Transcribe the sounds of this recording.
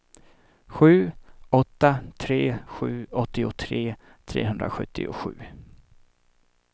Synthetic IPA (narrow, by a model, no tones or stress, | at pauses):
ɧʉ̟ːɔt̪ːat̪ʰɾeːɧʉ̟ːɔt̪ːɪʊt̪ʰɾeː | t̪ʰɾḛːɦɵnd̪ɾa̰ɧɵt̪ʰːɪ̰ʊ̰ɧʉ̟ː